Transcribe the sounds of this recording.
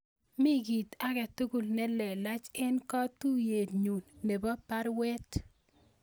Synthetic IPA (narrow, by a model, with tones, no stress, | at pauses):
mi˦ɡi˨t̪a˦kɛ˨tu˦ɡu˨lnɛ˦lɛ˨la˦t͡ʃɛ˦nkɔ˦t̪u˦je˨dɲu˨nːe˨bɔ˦pa˦ɾwɛ˦t